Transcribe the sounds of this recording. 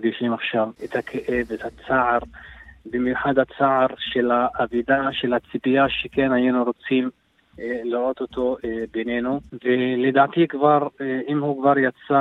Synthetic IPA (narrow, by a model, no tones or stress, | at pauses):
ɡiʃimaχʃavet̪hakʰeʔe̞vet̪hat͡saʕaɾbimjuħad̪hat͡saʕaɾʃe̞laʔːvid̪aʃe̞lhat͡sibijaʃekenhajenuɾo̞t͡sim | liɾo̞t̪ot̪o̞benenuveled̪aːt̪ikvaʁimhukvaɾjat͡sa